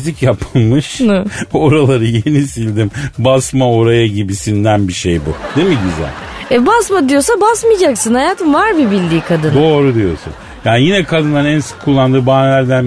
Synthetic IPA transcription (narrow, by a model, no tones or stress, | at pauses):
zicjapʰɯlˠmɯʃ | o̞ɾalˠaɾɯje̞nisilʲd̪imbasmao̞ɾajaɟibisind̪ænbiʃe̞jbṵd̪̥emiɟyzæ̰lʲɛbasmad̪ijo̞sabasmɯjad͡ʒaksɯnhajaːt̪ʰɯmvaɾbibilʲd̪iːkʰad̪ɯnd̪o̞ːɾud̪ijo̞sṵn | jaːnijinɛkʰad̪ɯnlˠaɾɛnsɯ̥kʰulˠːand̪ɯːbaːnlʲæɾd̪æn